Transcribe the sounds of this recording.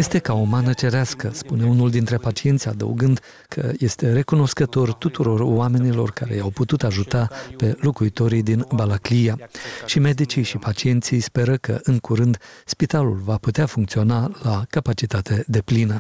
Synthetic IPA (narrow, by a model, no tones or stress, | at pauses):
je̞st̪e̞kaomanət͡ʃe̞ɾeaskəspune̞unuld̪int̪ɾe̞pat͡ʃie̞nt̪sʲad̪ə̰ṵɡɨnd̪ | kʰə̰je̞st̪e̞ɾe̞kuno̞skət̪o̞rt̪ut̪uɾo̞rwame̞nilo̞̰rkaɾe̞̰jawput̪ut̪aʒut̪ape̞lokuit̪o̞ɾid̪inbalaklijaʃime̞d̪it͡ʃijʃipat͡ʃie̞nt̪sijspe̞ɾəkə̰ʔɨŋkuɾɨnd̪spit̪alṵlvaput̪eafuŋkt̪sio̞nalakapat͡ʃit̪at̪e̞d̪e̞plinə